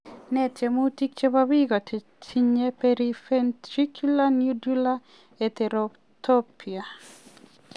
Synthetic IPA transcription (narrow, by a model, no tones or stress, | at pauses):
nɛtemutik̚t͡ʃebabiɡɔt | tʰiɲepeɾifent̪ɾikʰulanjudula | et̪eɾo | t̪ʰopʰia